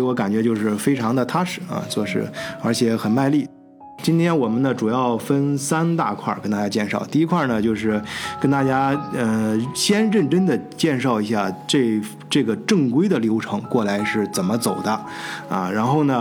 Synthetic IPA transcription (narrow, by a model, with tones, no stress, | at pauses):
wɔ˧˥ka˨˩nt͡ɕɥɛ˧˥t͡ɕjo˥˧ʊʂɻ̩˥˩fe˥ɪʈ͡ʂʰɑ˧˥ŋd̪ə˨t̪ʰa˥ʂɻ̩˨˥˦ɐ̰˧t͡swɔ˥˧ʂɻ̩̰˥˩ə˞˧˥t͡ɕʰjɛ˧˩˥xə˨˩nma˥˧ɪli˥˩ | t͡ɕi˥nt̪ʰjɛ˥nwɔ˨˩mə˦nd̪ə˧ʈ͡ʂu˨˩jɑ˥˩ʊfə˥nsa˥nt̪a˥˧kʰwa̰˥˩kə˥nt̪a˥˩t͡ɕja˥t͡ɕjɛ˥˧nʂɑ˥˩ʊt̪i˥˧i˥kʰwa˥˩nə˩t͡ɕjo˥˧ʊʂɻ̩˥˩kə˥nt̪a˥˩t͡ɕja˥ə˧ɕjɛ˥nɻə˥˩nʈ͡ʂə˥nd̪ə˨t͡ɕjɛ˥˧nʂɑ˥˩ʊi˧˥ɕja˥˩ʈ͡ʂe˥˩ | ʈ͡ʂɤ˥˩ɡə˩ʈ͡ʂɤ˥˩ŋkwe˥ɪd̪ə˨ljo˧˥ʊʈ͡ʂʰɤ˧˥ŋkwɔ˥˩la˧˥ɪʂɻ̩˥˩t͡sə˨˩nmə˦t͡so˨˩ʊd̪ə˦ɐ̰˧ɻa˧˥nxo˥˩ʊnə˩